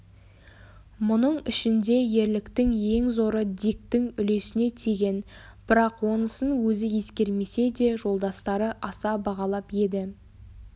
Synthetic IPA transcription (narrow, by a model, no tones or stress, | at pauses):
mʊnəɴɪʃɪnd̪e̞je̞ɾlɪkt̪ɪŋje̞ŋzo̞ɾəd̪ik̚t̪ɪŋʏle̞sɪne̞t̪ʰeɡʲe̞n | b̥ɪɾɑqwo̞nəsənwɵzɪje̞skʲe̞ɾme̞se̞d̪e̞ʒo̞lˠd̪ɑst̪ɑɾəʔɑsɑbɑʁɑlˠɑpje̞d̪ɪ